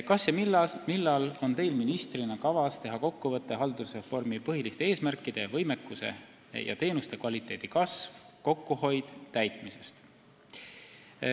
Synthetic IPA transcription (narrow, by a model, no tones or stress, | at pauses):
kɑsjɑmilːɑmilːɑlo̞nt̪e̞jlminist̪rinɑkɑvɑst̪eɦɑko̞kːuvɤt̪ːˑeɦɑld̪usre̞fo̞rmipɤɦilist̪e̞eːsmærkːˑid̪̥e̞vɤ̞jmekːˑuse̞̰ | jʔɑ̰t̪e̞ːnust̪e̞kvɑlʲit̪ˑe̞ːd̪̥ikɑsv̥ko̞kːuho̞jd̪̥ːæjt̪mise̞̥st̪